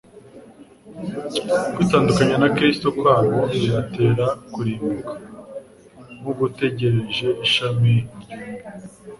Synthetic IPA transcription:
kwitaːndukaɲanakɾistokwaːnoiɾate̞ːɾakuɾimukḁ | muɡute̞ɟe̞ɾe̞ʒe̞iʃame

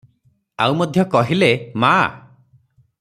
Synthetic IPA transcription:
a̰wmɔd̪ʱjɔkɔɦilema̰

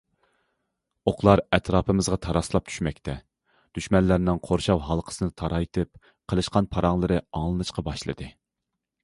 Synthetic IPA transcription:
oqʰlˠɑɾɛt̪ʰɾɑːpʰɨmɨzʁɑt̪ʰɑɾɑslˠɑp̚t͡ʃʰy̥ʃmɛk̚ʲt̪ʰɛ | d̪̥yʃmɛnlːæɾnɪŋqʰoɾʃɑwɦɑlˠqʰə̥sɨnɨt̪ʰɑɾɑjt̪ʰɨp̚ | qʰəlˠɨʃqɑnpʰɑɾɑŋlˠɨɾɨɑŋlˠɨnɨʃqɑbɑʃlˠɨ̰d̪ɨ

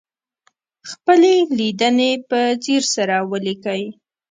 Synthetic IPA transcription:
xpəlelid̪ənepət͡siɾsaɾawəlikəj

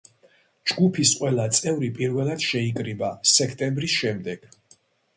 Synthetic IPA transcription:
d͡ʒɡupʰisqʼwɛlˠat̪sʼɛvɾipʼiɾvɛlˠad̪̥ʃɛikʼɾibasɛkʰt̪ʼɛmbɾisʃɛmd̪ɛɡ̥

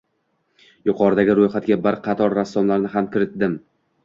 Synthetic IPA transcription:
jʊqʰɒɾɪd̪aɡʲɪɾojχat̪̚ɡʲabɪɾqʰɑt̪ʰɒɾːasːɒmlaɾnɪɦamkʲʰɪɾɪt̪̚d̪ɪm

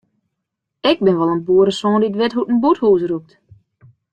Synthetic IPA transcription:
ɪɡ̚bɪnʋɔlˠənbuːəɾəsoːnditʋɪtɦutən̩buthuːsrup̚t

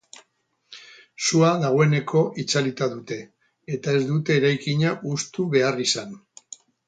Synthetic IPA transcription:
suaðaɣ̞o̞e̞ne̞ko̞ʔit͡salit̪aðut̪e̞ː | t̪ae̞zd̪ut̪e̞ːɾajkiɲaʔust̪uβe̞arisan

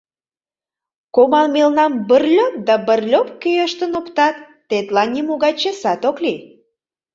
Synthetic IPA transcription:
komɑlmelnɑmbərlʲop̚d̪ɑbərlʲopkøjəʃt̪ənopt̪ɑt̪ːet̪lɑnnʲimoɣɑt͡ɕesɑt̪okli

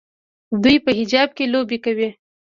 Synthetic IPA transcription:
d̪ujpəɦɪd͡ʒɑb̚kelobekawi

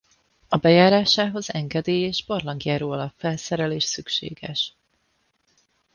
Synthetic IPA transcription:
ɒbɛjaːɾaːʃaːɦo̞zɛŋɡɛd̪eːjeːʒborlɒŋɡijaːɾoːɒlɒffɛlsɛɾɛleːʃsykʃḛːɡɛʃ

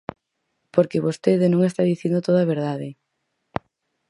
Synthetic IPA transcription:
poɾkeβost̪eðenõŋest̪aðiθind̪ot̪oðɐβ̞eɾðaðe

